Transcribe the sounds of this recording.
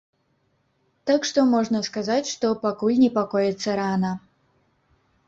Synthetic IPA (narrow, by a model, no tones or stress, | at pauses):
t̪akʂt̪ɔmɔʐnɐskazat͡sʲʂt̪ɔpakulʲnʲɛpakɔjɛt̪sːɐɾanɐ